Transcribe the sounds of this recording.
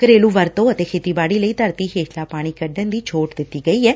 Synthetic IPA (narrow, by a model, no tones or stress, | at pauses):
kəɾeːluːʋəɾt̪õːət̪eːkʰeːt̪iːbaːɽiːləiːt̪əɾt̪iːɦeːsʰlaːpaːɽ̃iːkəɖənd̪iːt͡ʃʰoːʈd̪ɪt̪ːiːɡəiːɦɛː